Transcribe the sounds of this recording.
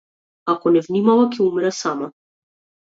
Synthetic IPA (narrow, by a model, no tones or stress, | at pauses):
akɔnɛvnimavakɛumiɾasama